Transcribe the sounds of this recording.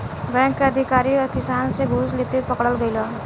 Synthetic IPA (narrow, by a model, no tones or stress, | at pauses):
bɛ̃ːŋkːeɐd̪ʱɪkaːɾikɪsaːnseɡʱuːsleːt̪epɐkɽəlɡəilaː